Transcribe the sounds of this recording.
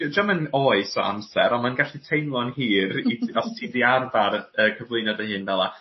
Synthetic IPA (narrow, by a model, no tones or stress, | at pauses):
d͡ʒamənoːɨsɔ̰a̰msɛ̰ɾɔnmanɡaɬitʰejmlˠɔnhiːriɔstʰiːðiarvaɾəkʰəvlˠejnɔdəhɨnvɛlˠa